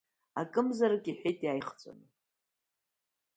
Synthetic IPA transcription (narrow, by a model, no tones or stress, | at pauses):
a̰kʼɨmzaɾɨkʼiħʷᶣejtʼjaːjχt͡sʷʼa̰nɨ